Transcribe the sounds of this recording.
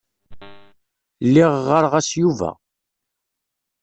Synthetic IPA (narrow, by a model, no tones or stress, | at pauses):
lːiʁʁəɾʁæsjuvæ̰